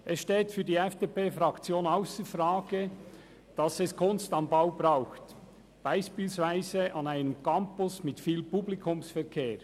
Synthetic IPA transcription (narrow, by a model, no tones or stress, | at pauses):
ʔɛsʃteːtfyːɐdiːɛfd̥eːpeːfɾɑkt͡sjoːnaʊsəfraːɡ̥ə | d̥ɑsɛskʰʊnstɑnbaʊb̥raʊxt | b̥aɪʃpiːlsvaɪzəʔɑnaɪnəmkʰɑmpʊsmɪtfiːlpublikʰʊmsfɛʁkʰeː